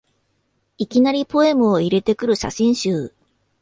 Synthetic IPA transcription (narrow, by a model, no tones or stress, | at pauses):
ikʲinaɾʲipo̞e̞mɯ̟oiɾe̞t̪e̞kɯ̟ɾɯ̟ɕa̰ɕĩɰ̃ɕɨː